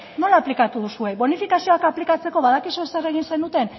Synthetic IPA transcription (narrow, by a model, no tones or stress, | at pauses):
no̞laːplikat̪uðusue̞βo̞nifikasio̞akaplikat͡se̞ko̞βaðakisusereɣ̞inse̞nut̪e̞n